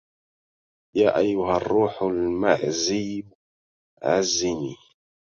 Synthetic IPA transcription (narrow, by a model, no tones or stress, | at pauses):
jaːʔajːʊɦarˤːuːħlma̰ʕziːb | ʕa̰zːɪniː